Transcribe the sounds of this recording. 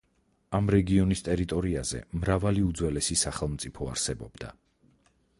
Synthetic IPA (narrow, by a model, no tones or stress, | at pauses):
amɾɛɡiɔnist̪ʼɛɾit̪ʼɔɾiazɛ̰mɾavaliud̪zwɛlɛsisaχɛlˠmt̪sʼipʰɔa̰ɾsɛbɔb̥d̪a̰